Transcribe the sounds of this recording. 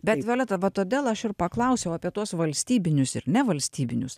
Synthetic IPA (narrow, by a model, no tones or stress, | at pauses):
bʲɛt̪ʋʲeːlʲɛt̪ɐʋɐt̪oːd̪ʲeːlˠɐʃɪɾpɐklˠɐʊsʲɛʊɐːpʲiɛt̪uɔsʋɐlʲsʲt̪ʲiːbʲɪnʲʊsɪ̰ɾnʲɛʋɐlʲsʲt̪ʲiːbʲɪnʲʊs